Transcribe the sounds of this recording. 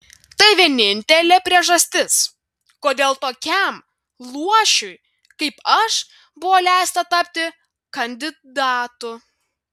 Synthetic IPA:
t̪ɐɪʋʲiɛnʲɪnʲt̪ʲɛlʲeːpʲɾʲiɛʒɐsʲt̪ʲɪs | koːd̪ʲeːlˠt̪oːkʲɛm | lˠuɔʃʲʊj | kɐɪpɐʃ | bʊʋoːlʲæˑɪst̪ɐt̪ɐpʲt̪ʲɪ | kɐnʲd̪ʲɪd̪ɑːt̪ʊ

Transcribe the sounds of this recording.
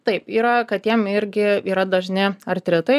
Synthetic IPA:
t̪ɐɪpiːɾɐkɐt̪jiɛmɪɾʲɡʲɪiːɾɐd̪ɐʒʲnʲɪɐrʲt̪ʲɾʲɪt̪ɐɪ

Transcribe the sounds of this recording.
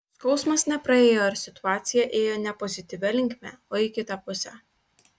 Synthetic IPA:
skɒʊsmɐsnʲɛpɾɐeːjoɐɾsʲɪt̪ʊɑːt̪sʲɪjɛʔeːjoːnʲɛpɔzʲɪt̪ʲɪʋʲɛlʲɪŋʲkʲmʲɛoːɪkʲɪt̪ɐpʊsʲɛ

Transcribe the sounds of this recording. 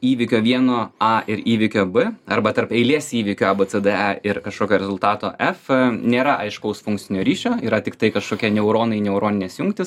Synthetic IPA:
iːʋʲɪkʲoːʋʲiɛnoːɑʔɪɾiːʋʲɪkʲoːbɨɐɾbɐt̪ɐɾpɛɪlʲiɛsiːʋʲɪkʲʊːɐbət͡s̪ɛd̪ɛɛɪrkɐʃkoːkʲoːɾʲɛzʊlˠt̪ɑːt̪oːʔɛfnʲeːɾɐʔɐɪʃkɐʊsfʊŋk̚t̪t͡s̪ʲɪnʲoːɾʲiːʃʲoːiːɾɐt̪ʲɪkt̪ɐɪkɐʃkoːkʲiɛnʲɛʊɾoːnɐɪnʲɛʊɾoːnʲɪnʲɛsjʊŋk̚t̪ʲɪs

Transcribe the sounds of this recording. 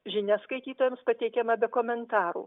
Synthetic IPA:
ʒʲɪnʲɛskɐɪt̪ʲiːt̪oːjɛmspɐt̪ʲɛɪkʲɛmɐbʲɛkoːmʲɛnt̪ɑːɾṵː

